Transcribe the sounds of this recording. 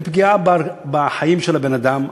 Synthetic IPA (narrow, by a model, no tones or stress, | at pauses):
pɡiabbaħajimʃelabenad̪am